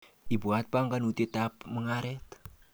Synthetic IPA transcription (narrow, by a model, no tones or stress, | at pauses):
ibuat̪̚paŋɡanut̪it̪ap̚məŋaɾɛt̪